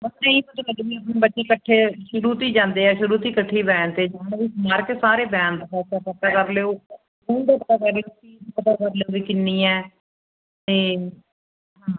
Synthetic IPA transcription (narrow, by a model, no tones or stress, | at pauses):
mət̪nəĩːpət̪ːkəɖiːəp̬nẽːbətːt͡ʃeːkəʈʰːeːʃʊɾuːt̪iːd͡ʒãːnd̪eːɛːʃʊɾuːt̪iːkəʈʰːiːbɛ̃ːnt̪eːd͡ʒãːʋiːmaːɾkesaːɾeːbɛ̃ːnd̪kaːsakəkaːkəɾleoː | muːɳɖeːpət̪aːkəɾleoːkiːspət̪akəɾleoːʋiːkɪnːĩːɛː | t̪eː | ãː